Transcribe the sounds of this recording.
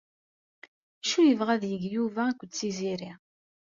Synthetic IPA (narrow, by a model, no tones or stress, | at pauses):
ʃujəvʁæðjəɡjuvækʷːəd̪t͡sːiziɾi